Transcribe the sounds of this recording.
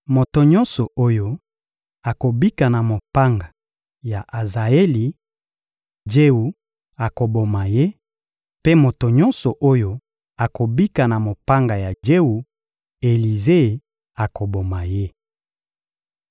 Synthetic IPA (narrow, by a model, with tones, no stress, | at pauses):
mo˨to˨ɲɔ˦nsɔ˨o˦jo˦ | a˨ko˨bi˦ka˨na˨mo˨pa˦ŋɡa˨ | ja˨ʔa˨za˨e˦li˨ | d͡ʒe˦u˨ | a˨ko˨bo˨ma˨je˦ | pe˦mo˨to˨ɲɔ˦nsɔ˨ʔo˦jo˦ | a˨ko˨bi˦ka˨na˨mo˨pa˦ŋɡa˨ja˨d͡ʒe˦u˨ | e˨li˨ze˦˨ | a˨ko˨bo˨ma˨je˦